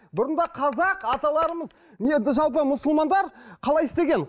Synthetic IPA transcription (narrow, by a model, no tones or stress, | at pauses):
bʊɾənd̪ɑqʰɑzɑqɑt̪ɑlˠɑɾəməz | ned̪ɪʒɑlˠp̬əmʊsʊlˠmɑnd̪ɑɾqʰɑlˠɑjɪst̪e̞ɡʲen